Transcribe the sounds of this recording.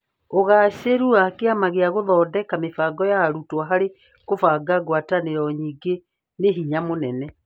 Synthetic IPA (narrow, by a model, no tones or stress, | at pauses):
oɣaːɕeɾuakeamaɣeaɣoðɔːdɛkamefaːɡɔjaɾutwaɦaɾe | kofaːɡaɣwataneɾɔɲiːɡe | neɦiɲamonɛnɛ